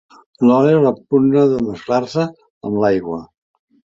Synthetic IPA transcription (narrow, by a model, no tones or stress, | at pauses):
lɔɾeɾləpunəðəməsklarsə | əmlajɣwə̰